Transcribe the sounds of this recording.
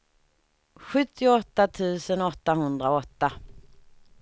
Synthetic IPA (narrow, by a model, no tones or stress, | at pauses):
ɧɵt̪ːɪɔt̪ːat̪ʰʉ̟ːsənɔt̪ːaɦɵnd̪ɾaɔt̪ːa